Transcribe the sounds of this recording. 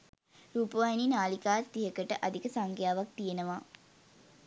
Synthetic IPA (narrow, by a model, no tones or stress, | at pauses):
ɾuːpəʋajninaːlikaːt̪ːiɦəkəʈə̰ʔad̪ikəsaŋkjaːʋak̚t̪ijenəʋa